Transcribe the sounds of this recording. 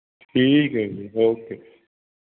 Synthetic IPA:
ʈʰiːkɦɛɡioːkeː

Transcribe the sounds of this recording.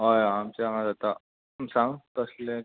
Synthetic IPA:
ɦajamt͡ɕaamad͡zat̪a | msãŋɡt̪əslẽ

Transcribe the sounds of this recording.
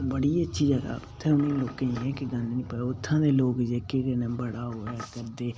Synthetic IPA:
bəɽiːətːʃʰiːd͡ʒəɡa̰ːʊt̪ʰːɛːʊnĩːloːkãːiɛ̃ːkɪɡãːneːnĩːpɛʊt̪ʰːãːd̪eːloːkd͡ʒeːkekenɛ̃ːbəɽaːɦoːaːkəɾd̪eː

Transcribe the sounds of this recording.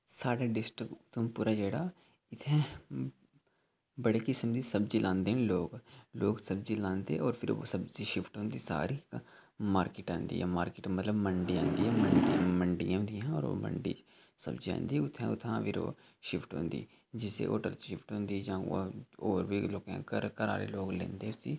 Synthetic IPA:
saːɽaɖɪsʈɾɪkʊt̪ʰmpuːɾad͡ʒɛːɽaː | ɪt̪ʰɛ̃ː | bəɽeːkɪsmd̪iːsəbd͡ʒilʔãːnd̪eːɦɛ̃ːloːɡloːɡsəbd͡ʒilãːnd̪ḛːʔɔːɾpʰɪɾo̰ːsəbziːʃɪpʰʈɦõːnd̪iːsa̰ːɾiːk | maːɾkɪʈãːnd̪ḭːɦɛ̰ːmaːɾkɪːʈmət̪ləbməɳɖiːã̰ːnd̪iːɛːməɳɖĩməɳɖijãːnd̪iãːɔːɾo̰mə̰ɳɖḭː | sə̰bd͡ʒiã̰ːnd̪iːʊt̪ʰːɛ̰̃ʊt̪ʰã̰ːʋɪɾo̰ː | ʃɪpʰʈɦõ̰ːnd̪ḭː | d͡ʒɪsḛːʔo̰ːʈə̰ɾʃɪpʰʈɦõːnd̪iːd͡ʒãːoːɾbiːloːkɛ̰̃ːkəɾkəɾaːɾḛloːɡlḛ̃ːnd̪eːʊsiː

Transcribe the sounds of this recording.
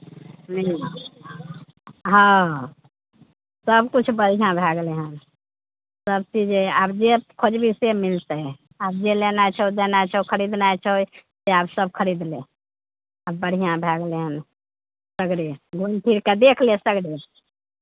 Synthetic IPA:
mila | ɦã | səbkut͡ʃʰbəɽ̤ijãbʱaɡleɦən | səb̚t͡ʃid͡ʒeabd͡ʒekʰod͡ʒbʱisemilt̪ə | ab̚d͡ʒelenajt͡ʃʰəod̪enat͡ʃʰokʰəɾid̪najt͡ʃʰəojseabsəbkʰəɾid̪lẽ | abəɽ̤ʱijãbʱɛɡleɦən | səɡɽiɡʱunp̪ʰiɾked̪ekʰlesəɡɽi

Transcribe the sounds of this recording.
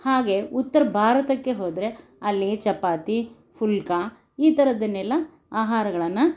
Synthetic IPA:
haːɡe̞ut̪ːɐɾɐbʱaːɾɐt̪ɐkːe̞ɦoːd̪ɾe̞ | ɐlːit͡ʃɐpːaːt̪i | pʰulka | iːt̪ɐɾɐd̪ɐnːɛlːɐ | aːɦaːɾɐɡɐɭɐnːɐ

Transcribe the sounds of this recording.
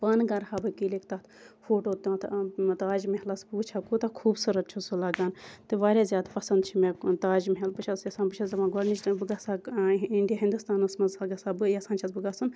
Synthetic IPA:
paːnɡɐɾhaːbɨkiːlekt̪ɐt̪foːʈoːt̪ːt̪ʰt̪aːd͡ʒmeɦɐlɐsbuːt͡ʃʰakut̪ɐkʰuːbsɨɾɐt̪̚t͡ʃʰusɨlɐɡaːnt̪ɨʋaːɾʲaːzjaːd̪pɐsɐnd̪t͡ʃʰimet̪aːd͡ʒmɦelpɨt͡ʃʰɐzjɐsaːnbɨt͡ʃʰɐzɐʋãɡɐɾnit͡ʃbɨɡasaiɳɖijɐɦind̪ust̪aːnɨsmɐzaɡɐsabɨjɐsãːnt͡ʃʰɐzbɨɡasɨn

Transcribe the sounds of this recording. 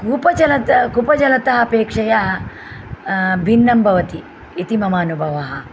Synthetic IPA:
kuːpɐt͡ʃɐlɐt̪ɐkupɐt͡ʃɐlɐt̪ɐɦɐ̆ɐpeːkʂɐja | bʱinːɐmbʱɐʋɐt̪i | it̪imɐmaːnubʱɐʋɐɦɐ̆

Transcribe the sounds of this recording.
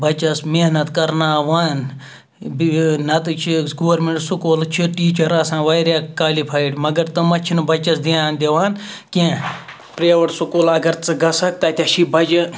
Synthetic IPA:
bɐt͡ʃɐsmeɦnɐt̪kɐɾnaːʋaːn | bnɐt̪ɨt͡ʃʰiɡoːɐɾmẽɳʈsukoːlt͡ʃʰiʈiːt͡ʃɐɾɐːsãːʋajɾʲjaːkaːlipʰaːiʈmɐɡɐɾt̪ɨmɐt͡ʃʰinɨbɐt͡ʃɐsd̪iãːnd̪ʲeʋaːn | kẽ | pɾeʋɐʈsukoːlɐɡɐɾt͡sɨɡɐsɐk̚t̪ɐːt̪ʲɐʃibɐd͡ʒɨ

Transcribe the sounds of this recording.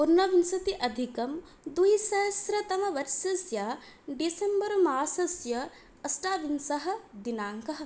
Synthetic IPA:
puɾnɐʋinsɐt̪iʔɐd̪ʱikɐm | d̪uɦisɐɐsɾɐt̪ɐmɐʋɐɾʃɐsjaː | ɖisembɐɾɐmaːsɐsjɐː | sʈaːʋinsɐɦɐ̆d̪inaːŋkɐɦɐ̆

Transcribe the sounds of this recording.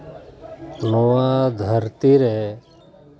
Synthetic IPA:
loãːd̪ʱəɾt̪iɾeː

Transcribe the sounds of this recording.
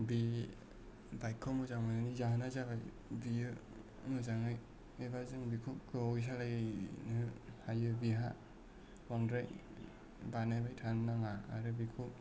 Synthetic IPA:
bi | bajkʰɔmɯzaŋmananizaɦanazabaj | bijɯ | mɯzaŋɯj | ebazɯŋbikʰukkɯojs̬alajnɯhajɯbiɦa | waŋdɾaj | banajbajtʰannaŋaːɾɯbikʰu

